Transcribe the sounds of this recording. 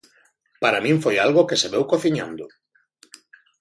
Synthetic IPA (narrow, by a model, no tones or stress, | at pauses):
paɾamĩɱfojalɣʊkeseβewkoθiɲã̰nd̪ʊ